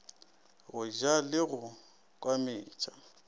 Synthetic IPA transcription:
ɣʊʒalɪɣʊ | kʼwamɪːt͡ʃʼa

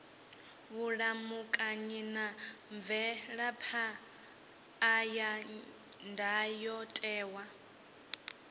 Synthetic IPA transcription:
βuɺamukʼaɲinaɱbvɛɺapʰa | ja | ndʱajɔtʼɛːwa

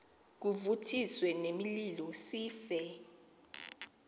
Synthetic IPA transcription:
k̬uvutʰiswɛnemililɔsiːfɛ

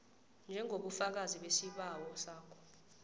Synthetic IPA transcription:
nd͡ʒʱɛŋʱoɓufak̬aziɓesiɓawɔsaːkʰɔ̥

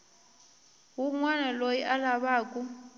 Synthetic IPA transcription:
ɦuŋwanalojiʔalaβaːkʼu

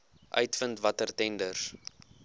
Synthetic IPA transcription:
ʔœ̰ɥtfəntvɐtərtɛndərs

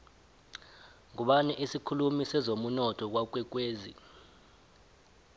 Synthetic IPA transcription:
ŋuɓanɛʔisikʰulumisɛzomunɔtʰʼɔk̬wak̬wɛk̬weːzḭ

